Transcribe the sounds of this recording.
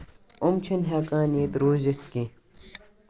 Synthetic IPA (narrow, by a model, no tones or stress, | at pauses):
ʊmt͡ʃʰɐnɦɛːkaːniːt̪ɾoːzɐt̪ki